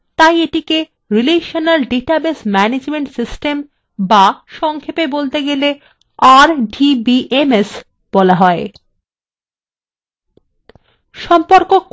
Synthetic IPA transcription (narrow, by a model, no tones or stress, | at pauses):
t̪ajeʈike | ɾileʃonalɖiʈabesmɛned͡ʑmeɳʈsisʈem | baʃɔŋkʰepebolt̪eɡele | aɾɖibiʔemes | b̥ɔlaɦɔe | ʃɔmpoɾkok